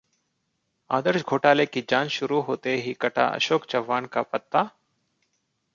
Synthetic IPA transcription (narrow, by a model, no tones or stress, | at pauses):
aːd̪əɾʃɡʱoːʈaːleːkiːd͡ʒaːnʃʊɾuːɦoːt̪eɦiːkəʈa̰ːʔə̰ʃoːkt͡ʃəʋːaːnka̰ːpət̪ːaː